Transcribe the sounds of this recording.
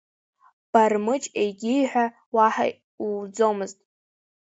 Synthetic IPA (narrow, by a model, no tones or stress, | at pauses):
b̥armɨt͡ʃʼejɡʲɪjħʷᶣa | waħa̰ | ud͡zo̞mɨztʼ